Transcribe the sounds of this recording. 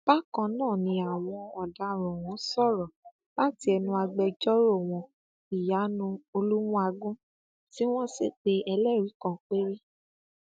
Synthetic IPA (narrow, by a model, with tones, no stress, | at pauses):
b̥a˦kã˧nãː˦˨nĩ˧a˨w̃ɔ̃˧ɔ˨da˨ɾɔ̃˨w̃ɔ̃˨˦sɔ˦˨ɾɔ˨ | la˦ti˦ɛ˧nũ˧a˧ɡ͡bɛ˧d͡ʒɔ˦ɾo˦˨w̃ɔ̃˧ | i˨ja˨˦nũ˧o˧lu˦wũ˦a˧ɡũ˦ | ti˦w̃ɔ̃˦se˦˨k͡pe˧ɛ˧lɛ˦˨ɾi˨˦kɔ̃˨k͡pe˦ɾe˦